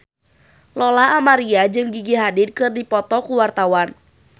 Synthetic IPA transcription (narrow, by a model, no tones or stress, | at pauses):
lɔlaɦamaɾiad͡ʒɨŋɡiɡiɦadɪdkɨrdipɔt̪ɔkuwart̪awan